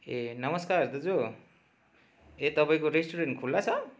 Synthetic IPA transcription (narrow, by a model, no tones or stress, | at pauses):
enʌmʌskaɾd̪ʌd͡zo | et̪ʌpaĩkoɾesʈuɾenʈkʰulːat͡sʰʌ